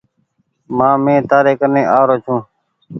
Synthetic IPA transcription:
mãːmẽːt̪aːɾeːkəɾneːʔaːɾoːt͡ʃʰũː

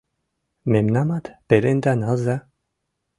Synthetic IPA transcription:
memnamad̪b̥elend̪analza

